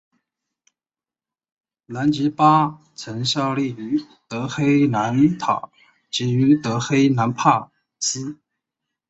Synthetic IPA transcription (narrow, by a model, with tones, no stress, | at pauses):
na˧˥nt͡ɕi˧˥pa˥ | t͡sʰə˧˥nɕjɑ˥˧ʊli˥˩y˧˥ | t̪ɤ˧˥xe˥ɪna˧˥nt̪ʰɑ̰˨˩˦ʊ | t͡ɕi˧˥y˧˥t̪ɤ˧˥xe˥ɪna˧˥npʰa˥˩ | t͡ɕi˥